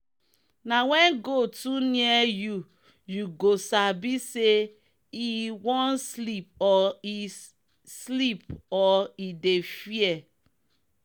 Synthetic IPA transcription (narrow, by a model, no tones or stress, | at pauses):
nawɛ̃nɡotuniɛju | juɡosabise | iwɔ̃nslip̚ɔi | slipɔidefiɛ